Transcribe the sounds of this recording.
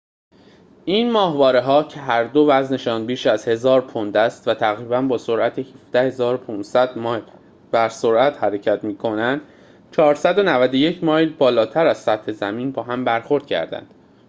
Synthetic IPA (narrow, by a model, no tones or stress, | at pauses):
ʔiːnmɒːɦvɒːɾeɦɒːcʰe̞ɦæɾd̪o̞væzne̞ʃɒːnbiːʃæzhe̞zɒːɾpʰond̪æst̪væt̪ʰæɣɾiːbænbɒːso̞ɾʔæt̪ʰehifd̪æhe̞zɒːɾopʰuːnsæd̪mɒːjl | bæɾso̞ɾʔæt̪hæɾe̞cʰæt̪miːkʰo̞nænd̪̥ | t͡ʃʰɒːɾsæd̪o̞nævæd̪oje̞cʰmɒːjlbɒːlɒːt̪ʰæɾæz̥sæt̪he̞zæmiːnbɒːɦæmbæɾxo̞ɾd̪̥cʰæ̰ɾd̪æ̰nd̪̥